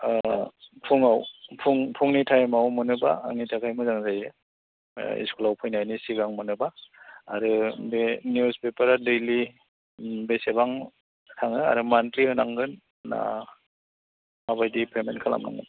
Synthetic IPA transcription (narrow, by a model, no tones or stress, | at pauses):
pʰuŋawpʰuŋpʰuŋnitʰajmawmɯnɯba̰ːŋnitʰakʰajmɯzaŋzajɾɯ | ḭskulawpʰɯjnajnisiɡaŋmɯnɯba̰ːɾɯbenjuspepaɾadejli | besebaŋ | tʰaŋɯa̰ɾɯmantliɯnaŋɡɯnː | a̰ | maβajdipʰemenkʰala̰mna̰ŋɡɯ̰n